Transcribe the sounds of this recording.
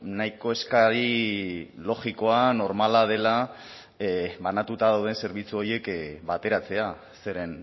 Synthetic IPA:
najko̞e̞skaɾi | lo̞ɣiko̞ano̞ɾmalað̞e̞la | βanat̪ut̪aðawð̞e̞nse̞ɾβit͡suo̞ɾje̞kbat̪e̞ɾat͡se̞a | se̞ɾe̞n

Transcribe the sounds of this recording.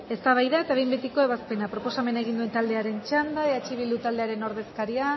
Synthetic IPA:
e̞st̪aβ̞ajðae̞t̪aβe̞jmbet̪iko̞eβ̞aspe̞napɾo̞po̞same̞naeɣ̞ind̪ue̞nt̪ald̪e̞aɾe̞nt͡ʃand̪aeat͡ʃiβild̪ut̪ald̪eaɾe̞no̞ɾðe̞skaɾia

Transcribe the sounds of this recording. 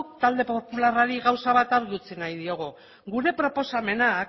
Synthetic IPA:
kt̪ald̪e̞po̞pularaɾiɣawsaβat̪aɾɣiut͡sinajð̞io̞ɣ̞u | ɣuɾe̞pɾo̞po̞same̞nak

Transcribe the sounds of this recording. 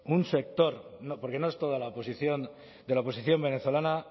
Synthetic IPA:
unse̞k̚t̪o̞ɾnopo̞ɾke̞no̞est̪o̞ðalaoposiθjo̞n | d̪e̞laopo̞siθjo̞mbe̞ne̞θo̞lana

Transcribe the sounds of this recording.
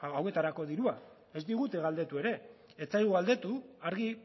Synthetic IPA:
awe̞t̪aɾako̞ðiɾua | e̞zd̪iɣ̞ut̪e̞ɣald̪e̞t̪ue̞ɾe̞ː | t͡sajɣuɣald̪e̞t̪uaɾɣi

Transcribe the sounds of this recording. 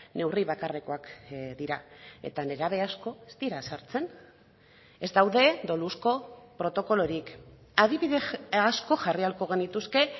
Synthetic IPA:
ne̞wriβ̞akare̞ko̞akd̪iɾae̞̰t̪ane̞ɾaβe̞asko̞est̪iɾasaɾt͡se̞n | e̞zd̪awðe̞d̪o̞lusko̞pɾo̞t̪o̞ko̞lo̞ɾik | aðiβiðeasko̞ʝarialko̞ɣ̞e̞nit̪uske̞

